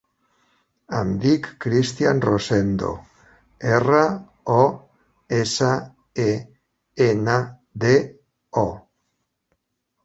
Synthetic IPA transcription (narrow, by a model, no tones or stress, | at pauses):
and̪ikːɾist̪ianrosend̪o̰ | era | ɔ | esa | e | ena | ðe | o